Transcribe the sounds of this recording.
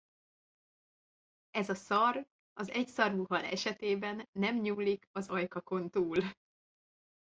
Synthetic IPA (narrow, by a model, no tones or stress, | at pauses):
ɛzɒsɒr | ɒzɛcsɒrvuɦɒlɛ̰ʃɛt̪eːbɛnːɛmɲuːlikɒzɒjkɒko̞nt̪uːl